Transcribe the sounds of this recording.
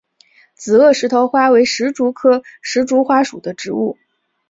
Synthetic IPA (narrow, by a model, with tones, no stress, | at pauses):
t͡sɹ̩˨˩ɤ˥˩ʂɻ̩˧˥t̪ʰo˧˥ʊxwa˥we˧˥ɪʂɻ̩˧˥ʈ͡ʂu˧˥kʰɤ˥ʂɻ̩˧˥ʈ͡ʂu˧˥xwa˥ʂu˨˩d̪ə˦ʈ͡ʂɻ̩˧˥ṵ˥˩